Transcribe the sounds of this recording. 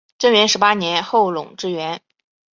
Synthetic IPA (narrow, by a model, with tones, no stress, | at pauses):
ʈ͡ʂə˥nɥɛ˧˥nʂɻ̩˧˥pa˥njɛ˧˥nxo˥˩ʊlʊ̰˨˩ŋʈ͡ʂɻ̩˥ɥɛ˧˥n